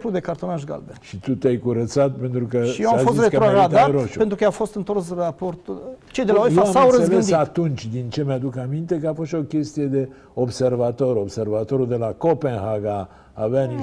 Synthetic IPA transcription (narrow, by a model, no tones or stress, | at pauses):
plud̪e̞kart̪o̞naʃ̬ɡa̰ld̪eʃit̪ut̪eajkuɾət̪sat̪̚pe̞nt̪ɾukəijeamfosit̪ret̪ɾoɡad̪aɾoʃuent̪ɾukəafo̞st̪ɨnt̪o̞rsrapo̞rt̪ut͡ʃe̞jd̪elaojjeaamsawwɾəezvɨedsiat̪unt͡ʃʲd̪int͡ʃe̞mjad̪ukamint̪e̞kəafo̞st̪o̞kʲe̞st̪ije̞d̪e̞ | o̞bse̞rvat̪o̞ɾo̞bse̞rvat̪o̞ɾud̪e̞lako̞pe̞nɦaɡa | aveani